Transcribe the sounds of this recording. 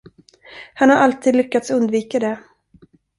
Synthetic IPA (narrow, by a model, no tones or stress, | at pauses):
hanhaɾʔalt̪ʰiːd̪lʏkːat̪sɵnd̪viːkad̪ɛ